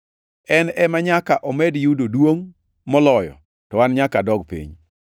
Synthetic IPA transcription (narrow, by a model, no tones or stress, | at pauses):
ɛnɛmaɲakaʔɔmɛdjudodwoŋ | mɔlɔjɔ̰ | tɔwanɲakadɔɡpḭɲ